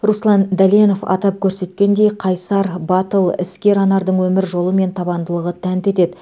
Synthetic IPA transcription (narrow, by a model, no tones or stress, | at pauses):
ruslˠɑnd̪æleno̞fɑ̰t̪ɑp̚kʲʰɵɾse̞t̪kʲe̞nd̪e̞jqʰɑjsɑɾbɑt̪əlˠɪ̰skʲe̞ɾɑnɑɾd̪əɴwɵmɪɾʒo̞lˠəme̞nt̪ʰɑbɑnd̪əlˠəʁət̪ʰænt̪e̞t̪e̞d̪ɪ